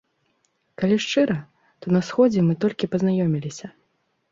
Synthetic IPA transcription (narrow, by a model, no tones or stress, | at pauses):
kalʲiʂt͡ʂɨɾɐ | t̪ɔnɐsxɔd͡zʲɛmɨt̪ɔlʲkʲipɐznajɔmʲilʲisʲɐ